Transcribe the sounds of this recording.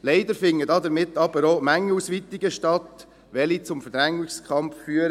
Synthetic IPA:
lɛɪd̪əɾfɪŋːədɑd̪əɾmɪt̪ːɑbəɾomæŋːəusʋit̪ɪɡəʃtɑt̪ | ʋɛlit͡sʊmfəɾd̥̪ɾæŋɪskʰɑmffyːəɾə

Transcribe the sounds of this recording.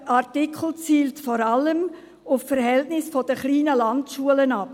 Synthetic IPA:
ɑɾtɪkχl̩t͡siːltfɔɾɑləm | ʊffəɾhɛltnɪsfɔd̥əχliːnəlɑntʃuələnɑp

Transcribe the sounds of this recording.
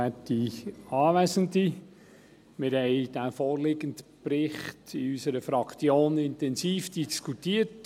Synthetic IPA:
ætiɑːvæsəndi | mɪɾhɛɪd̥æfoːɾlɪɡəndpɾɪχtiysəɾəfɾɑkt͡sjoːnɪntɛnsiːfd̥iskʰutiːət

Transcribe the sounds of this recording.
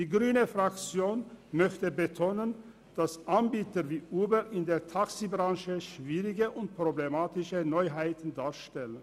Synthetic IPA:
d̥iːɡʁyːnəfʁakt͡sjoːnmœçtəbətʰoːnən | d̥asʔanbiːtəviːʔuːbəlʔɪndeːɐtʰaksibʁɑ̃ŋʃəʃv̥iːʁɪɡəʔʊnt̚pʁ̥oblemaːtɪʃənɔʏɦaɪtn̩daːɐʃtɛlən

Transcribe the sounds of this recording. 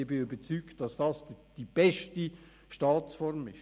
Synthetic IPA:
b̥ɪybət͡syːktd̥ɑsd̥ɑsd̥ib̥ɛʃti | ʃtɑːt͡sfɔɾmɪʃ

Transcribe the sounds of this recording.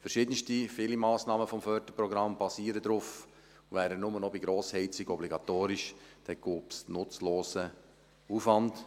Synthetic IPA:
fɛɾʃɪːdənstifɪlimɑːsnɑːməfɔmfœɾd̥əpɾɔɡɾɑmb̥ɑsiːəɾədɾʊf | uʋæːɾənʊmənɔbiɡɾoːshɛɪt͡sɪɡɔbliɡɑtoːɾiʃd̥ɛɡ̥uːpsnʊt͡sloːsə | ufʋɑnt

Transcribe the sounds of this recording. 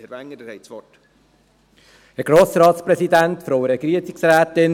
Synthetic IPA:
ɾvæŋːədəhɛɪsʋɔt | əɡ̥ɾoːsɾɑːt̪spɾɛsid̪æntfɾoʊəɾɛɡɾiətt͡sɪksɾæːt̪ɪn

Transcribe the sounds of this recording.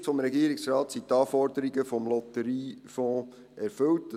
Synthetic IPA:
fɔmɾɛɡiːɾiksɾɑːt̪sit̪ɑːfɔɾdəɾiɡəfɔmlɔt̪əɾiːfɔ̃ː | ɛɾfɵlt

